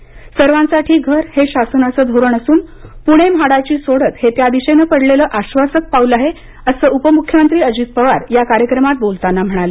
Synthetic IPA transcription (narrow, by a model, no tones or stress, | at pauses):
səɾʋãnsaʈʰiːɡʱəɾheɕasənasəːd̪ʱoɾəɳəsuːn | puɽ̃emɦaɽat͡ɕiːsoɽət̪het̪jad̪iɕenəpəɽleləːʔaɕʋasək̚paulaɦe | əsəːupəmukʰjəmənt̪ɾiːəd͡ʑiːt̪̚pəʋaɾjakaɾjəkɾəmat̪̚bolt̪anːam̤əɽ̃ale